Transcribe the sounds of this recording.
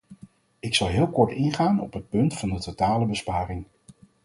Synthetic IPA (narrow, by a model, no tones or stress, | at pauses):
ɪksɑlˠɦɪːlˠkɔɹtɪnχaːnɔ̰pɦət̚pɵntfɑndətotaːləbəspaːrɪŋ